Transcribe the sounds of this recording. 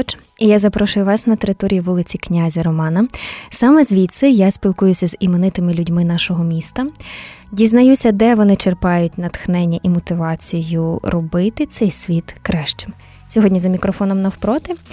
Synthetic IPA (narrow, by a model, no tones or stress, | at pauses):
t͡ʃ | ijazɐpɾɔʃʊjʊʋɑsnɐt̪eɾɪt̪ɔɾʲijiʋulˠɪt͡sʲiknʲazʲɐɾɔmɑnɐsɑmɛzʲʋʲit̪sɛjasʲpʲilˠkʊjʊsʲɐzimenɪt̪ɪmɪlʲʊdʲmɪn̪ɑʃɔɦɔmʲist̪ɐdʲiznɐjusʲɐd̪ɛʋɔnɪt͡ʃerpɑjʊtʲnɐt̪xnɛnʲːɐʔimɔt̪ɪʋɑt͡sʲijʊɾɔbɪt̪ɪt̪sɛjsʲʋʲit̪kɾɛʃt͡ʃɪ̥m | sʲɔɦɔdʲnʲizɐmʲikɾɔfɔnɔmnɐwpɾɔt̪ɪ